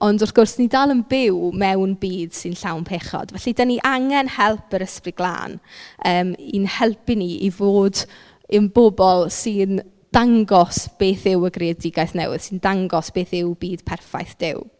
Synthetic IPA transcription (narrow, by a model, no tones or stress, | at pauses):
ɔndɔfɡ̥ʊrsnidaːlˠənbɪwmɛwnbiːd̥sɨnɬawnpʰeːχɔ̰dvɛɬidaniʔaŋɛnhɛlˠpʰəɾəsprɨɡ̥lˠa̰ːnəːminhɛlˠpɪniʔivoːd | ənbɔbɔlˠsɨn | d̥aŋɡɔsb̥eːθɪwəɡreɛdɪɡajθnɛ̰wɪ̰ð̥sɪndaŋɡɔsb̥eːθɪwbiːd̥pʰɛrfa̰jθd̥ɪ̰w